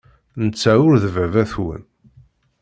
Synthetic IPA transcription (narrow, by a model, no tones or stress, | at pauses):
nət͡sːæʊɾðəvævæθwə̰n